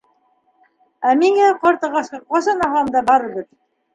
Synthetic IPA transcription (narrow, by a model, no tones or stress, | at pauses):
æmiŋæqɑɾt̪ɤ̆ʁɑsqɑqɑsɑnɑɦɑmd̪ɑbɑɾɤ̆βɘð